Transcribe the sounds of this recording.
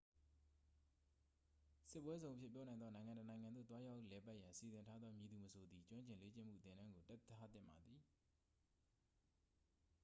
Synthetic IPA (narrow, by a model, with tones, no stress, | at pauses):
sɪ˦pːwɛ˦zõ˨ʊ̃ʔəpʰjɪ˦˨pjɔ˦nã˨ɪ̃nd̪ɔ˦nã˨ɪ̃ŋã˨nɔ˨nã˨ɪ̃ŋã˨nd̪o̰˦˨t̪wa˦ja˦ʊʔlɛ˨pa˦ʔjã˨si˨zɪ̃˨ntʰa˦d̪ðɔ˦mji˨d̪u˨məsʰo˨d̪ði˨t͡ɕwã˦ɲt͡ɕɪ̃˨le˦t͡ɕɪ̰̃˦m̥ṵ˦˨t̪ɪ̃˦˨ndã˦ŋɡo˨tɛ˦a˦t̪ɪ̰̃˦˨mba˨d̪ði˨